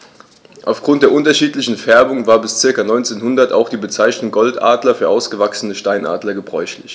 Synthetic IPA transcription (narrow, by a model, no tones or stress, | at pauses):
ʔaʊfɡ̥ʁʊnt̚d̥eːɐʔʊntɐʃiːtlɪçn̩fɛɐbʊŋvaːɐbɪst͡sɪɐkanɔʏnt͡seːnɦʊndɐtaʊxd̥iːbət͡saɪçnʊŋɡ̥ɔltʔa̰ːdlɐfyːɐʔaʊsɡ̥əvaksənəʃtaɪnʔa̰ːdlɐɡəbʁɔʏçlɪç